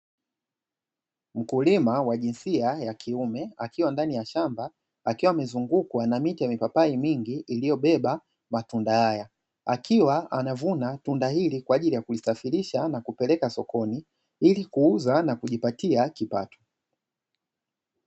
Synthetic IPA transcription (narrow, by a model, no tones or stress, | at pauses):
m̩kulimawaʄinsiajakʰiumɛakiwandanijaʃamba | akiwaːmɛzuŋɡukwanamitijamipapaimiŋɡiːlijɔɓɛɓa | matundahaja | akʰiwaanavunatundahilikwaːʄilijakulisafiɾiʃanakupɛlɛkasɔkʰɔni | ilikuuzanakuʄipatiakipa̰tɔ̥